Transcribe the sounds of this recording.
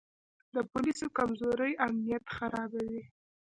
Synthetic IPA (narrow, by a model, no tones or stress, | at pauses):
d̪əpʊlisokamzoɾəjamnijat̪xaɾɑbawi